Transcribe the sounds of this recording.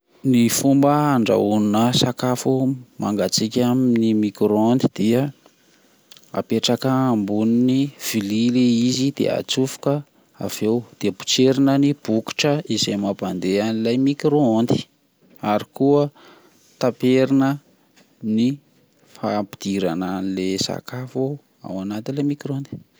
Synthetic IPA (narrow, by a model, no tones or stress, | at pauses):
nifumbəaɳɖ͡ʐa̰ununəsakafumaŋɡat͡sikʲaminimikɾoond̪id̪̥iə | a̰peʈ͡ʂakəːmbuniniv̥ilileizid̪ḛa̰t͡sufu̥kə | a̰v̥ewd̪̥eəpu̥t͡seɾinənib̥uki̥ʈ͡ʂəizejmaband̪eanilajmikɾoond̪i̥ | aɾikuə | t̪apeɾinə | ni | fapi̥d̪̥iɾananilesa̰kafu | a̰wanat̪ilemikɾond̪i̥